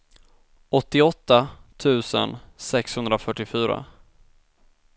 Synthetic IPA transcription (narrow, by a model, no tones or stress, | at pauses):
ʔɔt̪ːɪɔt̪ːat̪ʰʉ̟ːsə̰nsɛkshɵnd̪ɾafœʈːɪfyːɾa̰